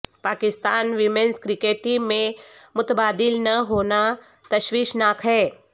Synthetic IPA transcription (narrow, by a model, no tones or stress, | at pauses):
paːkɪst̪aːnʋimẽnskɾɪkeːʈimẽmʊt̪baːd̪ilnəɦoːna | t̪ɐʃʋiːʃnaːkʰɦɛː